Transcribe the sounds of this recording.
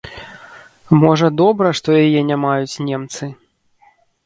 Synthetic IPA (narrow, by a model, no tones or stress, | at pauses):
mɔʐɐd̪ɔbɾɐʂt̪ɔjajɛnʲamajut͡sʲnʲɛmt̪sɨ